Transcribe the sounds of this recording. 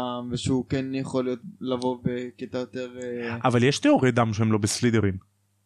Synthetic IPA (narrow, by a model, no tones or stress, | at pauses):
mveʃeukɛnjeχolijot̪̚lavo̞beket̪ajot̪eʁavaljeʃtioʁed̪amʃehemlo̞beslid̪eʁin